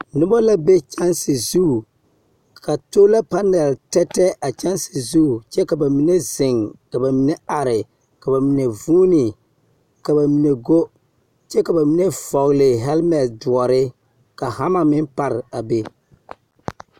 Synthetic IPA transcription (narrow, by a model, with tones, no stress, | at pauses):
nʊ˦bɔ˦la˦be˦t͡ʃa˦nsɪ˨zu˦˨ | ka˨to˦la˦pa˦nɛ˨ltɛ˦tːɛ˦ʔa˨t͡ʃa˦nsɪ˨zu˦˨t͡ʃɛ˦ka˨ba˨mi˨ne˦zɪ˨ŋka˨ba˨mi˦ne˦a˨ɾɪ˨ | ka˨ba˨mi˨ne˨vuː˦nɪ˨ | ka˨ba˨mi˨ne˨ɡo˦ | t͡ʃɛ˦ka˨ba˨mi˦ne˦v̥ɔ˨ɣlɪ˨ɦɛ˦lmɛ˨tdu˨ɔ˨ɾɪ˦ | ka˨ha˦ma˨mɪ˦npa˦ɾɪ˨a˨be˦